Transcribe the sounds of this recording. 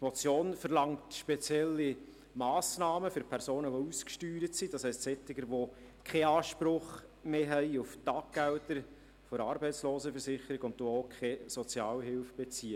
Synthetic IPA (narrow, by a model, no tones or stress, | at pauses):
tmɔt͡sjoːnfəɾlɑŋtʃpet͡sjɛlːi | mɑːsnɑːməfʏɾpʰɛɾsoːnəʋouskʃtyːɾətsidɑshɛɪstsɛtːɪɡəɾʋo | kʰɛɑːʃpɾʊχmeːɦɛɪuftɑːk̚ɡ̥æltəɾ | fɔɾɑːɾbɛɪt͡sloːsəfəɾsɪχəɾiɡʊntdookχɛsɔt͡sjɑːlɦɪlfb̥et͡siːə